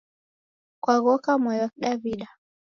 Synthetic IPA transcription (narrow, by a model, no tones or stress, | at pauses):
kwaɣɔkamɔjak̚ɗaviɗa